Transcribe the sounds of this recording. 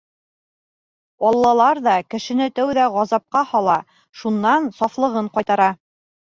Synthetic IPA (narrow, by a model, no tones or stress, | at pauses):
ɒlˠːɑlˠɑɾðɑkɘ̆ʃɘ̆nɘt̪æwðæʁɑzɑp̚qɑhɒlˠɑ | ʃunːɑnsɑflˠɤ̆ʁɤɴqɑjt̪ɑɾɑ